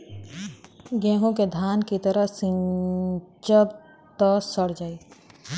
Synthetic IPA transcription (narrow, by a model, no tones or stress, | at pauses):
ɡɛ̃ːɦõked̪ʱaːnkit̪əɾəsɪ̃ | t͡ʃəb | t̪ɔsəɽd͡ʒaːiː